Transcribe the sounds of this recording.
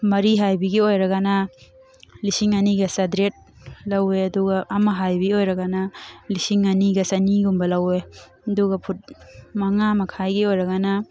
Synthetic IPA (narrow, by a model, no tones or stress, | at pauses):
mɐɾiɦajbiɡiojɾɐɡana | lisiŋɐniɡɐsadɾet̚ | lɐweɐduɡaːmɐɦajbiojɾɐɡanalisiŋɐniɡɐsɐniɡumbɐlɐwe | ɐduɡɐpʰut̚mɐŋamɐkʰajɡiojɾɐɡanɐ